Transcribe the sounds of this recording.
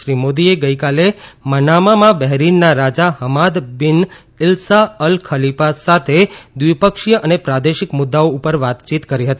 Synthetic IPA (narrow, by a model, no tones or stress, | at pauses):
ʃɾimod̪ieɡəikalemənamamãbɛɦɾinːaɾad͡ʒaɦəmad̪bɪn | ɪlsaəlkʰəlipasat̪ʰed̪ʋipəkʃjəʔənepɾad̪eʃɪkmʊd̪ːaoupəɾʋat̪t͡ʃit̪kəɾiɦət̪i